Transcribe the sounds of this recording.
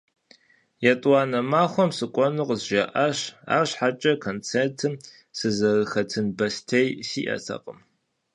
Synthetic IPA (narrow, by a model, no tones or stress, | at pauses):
jatʼwaːnɐmaːχʷɔmsɨkʷʼɔnuqəzʒɐʔɐɕa̰ːrɕħat͡ʃʼɐkʰont͡sʰentʰɨm | sɨzɐrɨxɐtʰɨnbɐstʰejsiːʔɐ̰tʰɐ̰qʼəm